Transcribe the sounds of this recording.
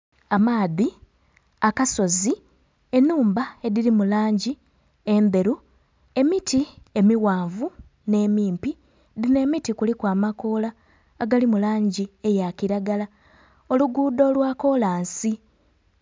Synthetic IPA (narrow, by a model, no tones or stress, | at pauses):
amaːði | akaso̞zi | e̞nːuːmbae̞ðiɾimulaːɲɟi | e̞nde̞ɾu | e̞mitie̞miwaːɱvu | ne̞miːmpi | ðine̞ːmitikulikwaːmako̞ːlaː | ɡalimulaːɲɟie̞jakiɾaɡala | o̞luɡuːdo̞ːlwaːko̞laːnsi